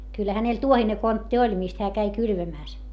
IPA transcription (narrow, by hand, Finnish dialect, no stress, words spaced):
kylˑæ̆ hænel tuohine kontːi olʲ mist heæ kæi kylʋæmæˑs